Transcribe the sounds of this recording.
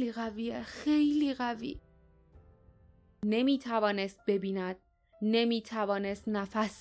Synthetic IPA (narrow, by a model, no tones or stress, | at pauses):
liɣæviːexejliːɣævḭː | ne̞miːt̪ʰævɒːne̞st̪̚be̞biːnæd̪̥̚ | ne̞miːt̪ʰævɒːnest̪næfæs